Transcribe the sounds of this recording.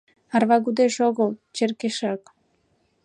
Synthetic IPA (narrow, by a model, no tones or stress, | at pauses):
ɑrβɑɣud̪eʃoɣəlˠt͡ɕerkeʃɑk